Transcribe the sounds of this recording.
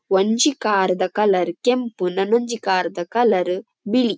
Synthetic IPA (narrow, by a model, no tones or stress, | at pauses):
ʋɐɲd͡ʒikaːɾd̪ɐkɐlɐɾkempunɐnoɲd͡ʒikaːɾd̪ɐkɐlɐɾ | biɭi